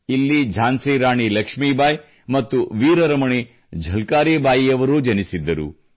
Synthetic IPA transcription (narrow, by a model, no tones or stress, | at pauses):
ilːid͡ʒʱaːnsiːɾaːɳilɐkʂmiːbaːj | mɐt̪ːuʋiːɾɐɾɐmɐɳi | d͡ʒʱɐlkaːɾiːbaːjijɐʋɐɾud͡ʒɐnisid̪ːɐɾṵ